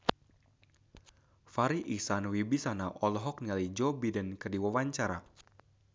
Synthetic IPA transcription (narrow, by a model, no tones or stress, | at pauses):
faɾiʔisanwibisanaʔɔlɔɦɔk̚nialid͡ʒɔbidankərdiwawaɲt͡ʃaɾa̰